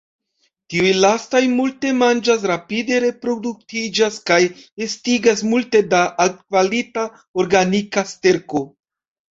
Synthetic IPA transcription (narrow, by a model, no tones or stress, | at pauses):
tiujlastajmulte̞mand͡ʒas̬ɾapide̞ɾe̞pɾo̞duk̚tid͡ʒaskaje̞stiɡasmulte̞daʔat̚kvalita | oɾɡanikaste̞ɾko̞